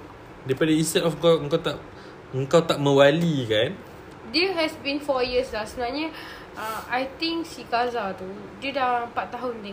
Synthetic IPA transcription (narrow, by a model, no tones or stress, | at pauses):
dajpadaĩnst̪ɛdɔfəkawəŋkawt̪aʔ | əŋkawt̪aʔ̚mə̃walikan | dɛɦɛsbĩnfɔjislasəbənaɲə | ʔaajt̪ɪ̃ŋksikazat̪u | didaãəmpat̪t̪ːaɦʊnt̪ɛ̃